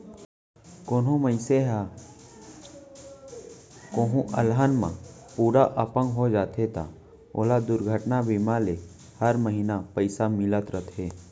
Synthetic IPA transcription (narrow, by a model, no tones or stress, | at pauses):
koːnõməɪseɦa | koːɦũʔɐlɦənmã̰puːɾaʔəpə̃ŋɡɦod͡ʒaːt̪ʰet̪ʰa̰ | oːlad̪ʊɾɡʱəʈnabimale | həɾməɦinapəɪsamɪlət̪ɾət̪ʰeː